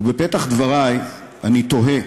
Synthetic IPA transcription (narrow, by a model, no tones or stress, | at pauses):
bepet̪aχd̪vaʁaj | anit̪oɦe